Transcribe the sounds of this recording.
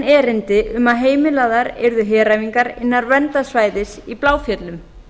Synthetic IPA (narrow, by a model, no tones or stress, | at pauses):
ɛːɾɪnt̪ɪʏmaðɦeːjmɪlaːðaɾɛɾðʏɦɛːɾajviŋkaɾɪ̰nːaɾvɛnt̪asvaːjðɪsiplaːwfjœt̪lʏm